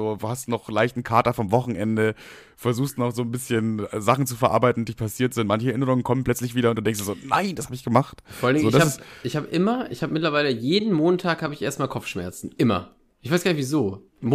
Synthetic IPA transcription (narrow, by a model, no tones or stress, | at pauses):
oːduːhastd̥uːnɔχlaɪçtn̩kʰaːɐtɐfɔmvɔχn̩ʔɛndə | fɛɐzuːxstunɔχz̥oːnbɪsçənzaχn̩t͡su̥fɛɐʔa̰ɐbaɪtn̩didiːpʰasiːɐtz̥ɪntmançəɛɐʔɪnəʁʊŋənkʰɔmənpl̥œt͡slɪçv̥iːdɐʊntd̥uːdɛŋstd̥ːɐzoːnaɪndashaːbəɪçɡ̥əmaχtfɔalndɪŋoːɪdaasɪsɪçhaːbəʔɪmɐʔɪ̰çhaːbəmɪtlɐvaɪləjeːdn̩moːntʰaːkhaːbəɪçʔḛɐstmaːlkʰɔfʃmɛ̰ɐt͡sn̩ʔɪmɐ̰ | ʔɪçvaɪsɡ̥aːnɪçvizoː | m